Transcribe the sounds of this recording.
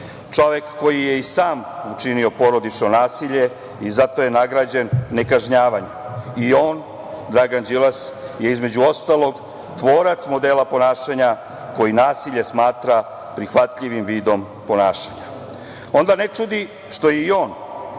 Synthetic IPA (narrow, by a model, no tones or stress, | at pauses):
t͡ʂo̞ʋe̞kːo̞jije̞isaːmut͡ʂinio̞po̞ɾod̪it͡ʂno̞naːsiʎe̞ | izat̪o̞je̞naɡɾaːd͡ʑe̞nːe̞kaʒɲaːʋaɲeio̞ːn | d̪ɾaɡand͡ʒilasjeizme̞d͡ʑuo̞st̪alˠo̞ɡ | t̪ʋo̞ːɾat̪smo̞d̪eːlapo̞naːʃaɲa | ko̞jinaːsiʎesmaːt̪ɾa | pɾixʋat̪ʎiʋimʋiːd̪o̞m | po̞naːʃaɲa | o̞nd̪anet͡ʂud̪i | ʃt̪o̞jeio̞ːn